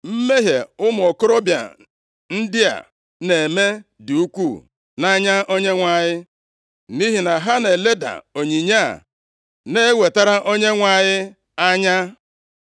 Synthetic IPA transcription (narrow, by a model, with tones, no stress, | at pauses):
m̩˦me˦ɦḛ˨ʊ˦mʊ˨ɔ˨kʊ˦ɾɔ˦bja̰˨ | n̩˦dɪ˦a̰˨ | ne˨e˨me˦du˨u˦kʷu˦˨ | na˦ɲa˦ʔo˦ɲe˦ŋʷa˨ɲɪ˦ | ni˦ɦi˨na˨ɦa˦ne˨le˦da̰˨o˨ɲi˨ɲa̰˦˨ | ne˦we˨ta˦ɾa˦ʔo˦ɲe˦ŋʷa˨ɲɪ˦ | a˦ɲa˦